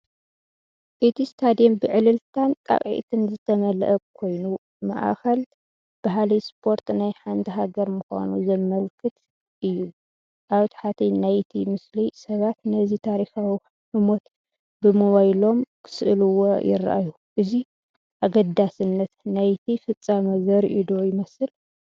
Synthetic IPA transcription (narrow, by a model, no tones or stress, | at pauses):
ʔɨt̪ʰist̪ʰad̪ijombɨʕɨlɨlt̪ʰant̪ʼa̰kʼʕḭt̪ʰɨnzɨt̪ʰɐmɐl̰ʔɐkʰo̞jnu | ma̰ʔa̰xɐl | b̥aɦalijspʰo̞ɾt̪najħant̪ʰiɦaɡɐɾmuxʷa̰nuzɐmɐlkʰɨt̪ | ʔɨjːu | ʔaβt̪ʰḁħat̪ʰinajt̪ʰimɨslisɐβat̪nɐzit̪ʰaɾixawi | ħɨmo̞t̪ | bɨmowajlo̞mkʰɨ̥sɨʔɨluwo̰jɪ̰ra̰ʔa̰ju | ʔɨzi | ʔaɡɐd̪ːasɨnːɐt̪najt̪ʰifɨt͡sʼːamɐzɐɾʔid̪ojɪmɐsɨl